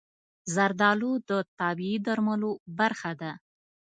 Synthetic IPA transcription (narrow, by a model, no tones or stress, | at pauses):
zaɾd̪ɑlud̪ət̪ɑbiid̪aɾməlobaɾxad̪a